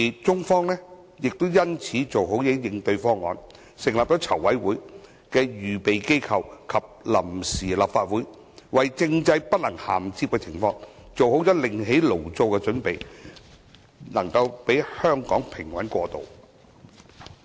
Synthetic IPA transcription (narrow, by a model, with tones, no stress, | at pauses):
i˨t͡sʊ˥ŋfɔː˥ŋlɛː˥ | jɪ˨k̚t̪o˥wjɐ˥nt͡sʰiː˨˥t͡so˨wɦo˨˥wjɛ˨˥jɪ˧ŋt̪ɵ˧ɥfɔː˥ŋɔ̰ː˨˧n | sɪ˨˩ŋlaː˨p̚t͡sɔ˨˥t͡sʰɐ˨˩wːɐ˨˥jwuː˨˥j | kɛː˧jyː˨pe˨jke˥jkʰɐ˨˧wkʰɐ˨p̚lɐ˨˩msiː˨˩laː˨p̚faː˧t̚wuː˨˥j | wɐ˨jt͡sɪ˧ŋt͡sɐ˧jpɐ˥t̚lɐ˨˩ŋhaː˨˩mt͡siː˧˥p̚kɛ˧t͡sʰɪ˨˩ŋfɔː˧ŋ | t͡so˨who˨˥wt͡sɔː˨˥lɪ˨ŋɦe˨˥jlo˨˩wt͡so˧wkɛ˧t͡ʃɵ˨˥npe˨j | nɐ˨˩ŋkɐ˧wpe˨˥jhœː˥ŋkɔː˨˥ŋpʰɪ˨˩ŋwɐ˨˥nkʷɔː˧t̪o̰˨˩w